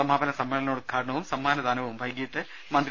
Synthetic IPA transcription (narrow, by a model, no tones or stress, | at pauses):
ɐmaːbɐnɐsɐmːɐlɐnoːɽɨkʰaːɾɐɳɐʋumsɐmːaːnɐðaːnɐʋɐʋumbʱɐjɡiʈːɨ | mɐnd̪